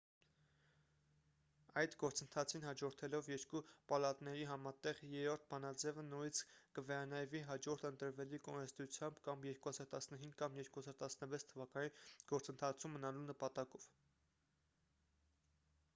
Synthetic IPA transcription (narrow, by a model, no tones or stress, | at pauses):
ɑjd̪ɡɔɾt͡sənt̪ʰɑt͡sʰinɦɑd͡ʒɔɾt̪ʰɛlɔvjɛɾkupɑlɑt̪nɛɾiɦɑmɑt̪ɛʁjɛɾɔɾt̪̚ʰbɑnɑd͡zɛvənujit͡sʰkəvɛɾɑnɑjviɦɑd͡ʒɔɾt̪ʰənt̪əɾvɛlikɔnɛst̪ut͡sʰjɑmbkɑmjɛɾkuhɑzɑɾt̪ɑsnəɦiŋɡkɑmjɛɾkuhɑzɑɾt̪ɑsnəvɛt͡sʰt̪ʰəvɑkɑniɡ̥ɔɾt͡sənt̪ʰɑt͡sʰumːənɑlunəpɑt̪ɑkɔv̥